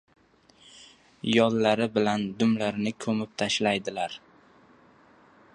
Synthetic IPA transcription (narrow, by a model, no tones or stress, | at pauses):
jɒlːaɾɪbɪland̪ʊmlaɾnɪkʰɵmɪp̚t̪ʰaʃlajd̪ɪlaɾ